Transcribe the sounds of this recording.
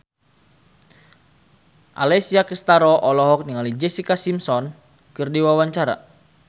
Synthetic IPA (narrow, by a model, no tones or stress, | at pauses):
ʔa̰lɛsiakəst̪aɾɔʔɔlɔɦɔk̚niŋalid͡ʒɛsikasimsɔn | kɨrdiwawaɲt͡ʃaɾa̰